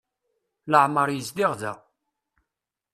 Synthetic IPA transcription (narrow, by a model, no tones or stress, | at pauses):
ləʕməɾˤjəsd̪iʁðæ̰